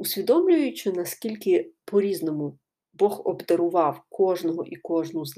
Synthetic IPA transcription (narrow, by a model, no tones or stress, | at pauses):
ʊsʲʋʲid̪ɔmlʲʊjʊt͡ʃɪnɐskʲilʲkɪpɔɾʲiznɔmʊ | bɔxɔ̰bd̪ɐɾʊʋɑwkɔʒnɔɦɔʔikɔʒnʊz